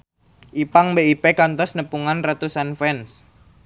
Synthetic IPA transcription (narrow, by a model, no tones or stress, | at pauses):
ʔipaŋbeipekant̪ɔsnəpuŋanrat̪usanfɛns